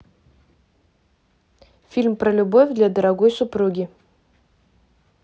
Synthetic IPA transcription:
fʲilʲmpɾəlʲubovʲd̪lʲad̪əɾaɡojsʊpɾuɡʲɪ

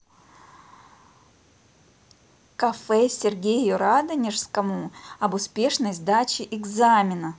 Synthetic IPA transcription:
kɐfɛsʲɪrɡʲejjʊɾad̪ənʲɪʂskəmʊɐbʊspʲe̞ʂnəjzd̪at͡ɕɪʔɪɡzamʲɪnə

